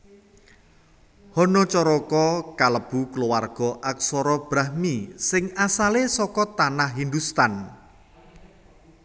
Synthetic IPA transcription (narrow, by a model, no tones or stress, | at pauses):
hɔnɔt͡ʃɔɾɔkɔkaləb̥ṳkəluwarɡ̥ɔʔak̚sɔɾɔb̥ɾahmisɪŋasalesɔkɔt̪anahɦind̪ust̪an